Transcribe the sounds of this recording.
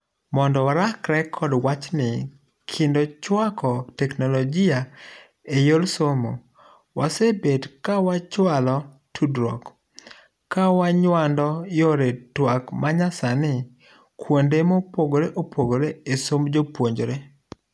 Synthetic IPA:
mɔndɔwaɾakɾɛkʰɔdwat͡ʃnɪ | kʰɪndot͡ʃwakɔtɛknɔlɔɡɪa | ejolsomo | wasebedkawat͡ʃwalɔ | tʰudɾɔ̰k | kːawaɲwandɔjoɾetwakmaɲasanɪ | kwondemopoɡoɾeʔopoɡoɾeesomd͡ʒopwoɲd͡ʒɾe

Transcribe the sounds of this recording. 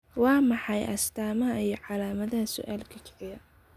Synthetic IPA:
wɑːmɑħɑjʔɐ̰st̪ʰaːmɐɦɐijɞʕɑlaːmɐðɐhɐsʊ̰ʔaːlkʰɐt͡ʃɪʕjɐ

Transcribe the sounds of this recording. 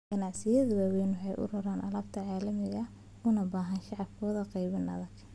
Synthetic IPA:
ɡ̥ɐnɑʕsɪjɐðɐwæːwɛjnʊħɑjʔʊ̰rɐɾaːnʔɐ̰lɐbt̪ʰɐʕaːlɐmɪɣɐ | ʊnɐbaːɦɐnʃɑʕɑbkʰɔːðɐqɑjβɪnʔɐ̰ðɐɡ

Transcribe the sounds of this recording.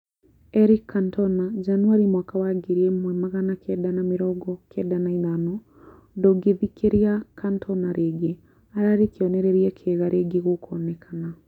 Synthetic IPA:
ɛɾikːantɔnad͡ʒanuaɾimwakawaɡeɾiɛmwɛmaɣanakɛdanameɾɔɡɔkʰɛdanaiðanɔ | dɔɡeðikeɾeakantʰɔnaɾʔeːɡe | aɾaɾekeɔnɛɾɛɾiɛkʰeːɣaɾʔeːɡeɣokʰɔnɛkʰana

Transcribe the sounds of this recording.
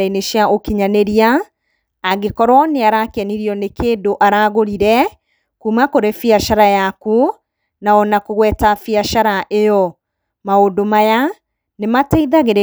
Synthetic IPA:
aineʃjaʔokiɲaneɾiaː | ɣekɔɾwɔneaɾakɛniɾiɔnekeːndoʔaɾaɣoɾiɾɛ | kuːmakoɾefiaʃaɾajaku | naɔnakoɣwɛtafiaʃaɾaʔejɔ | maondomaja | nematɛiðaɣeɾe

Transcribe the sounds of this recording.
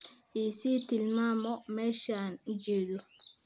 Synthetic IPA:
ʔiːsiːt̪ɪlmaːmɔmɛːʃanud͡ʒɛːðɔ

